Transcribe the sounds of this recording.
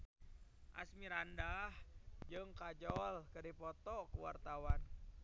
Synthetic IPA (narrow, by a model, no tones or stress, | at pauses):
ʔa̰smiɾandahd͡ʒɨŋkad͡ʒɔlkɨdipɔt̪ɔkuwa̰rt̪awan